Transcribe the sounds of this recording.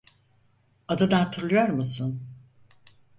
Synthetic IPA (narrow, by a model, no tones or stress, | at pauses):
ad̪ad̪aat̪ʰɯɾlˠɯjoɾmusun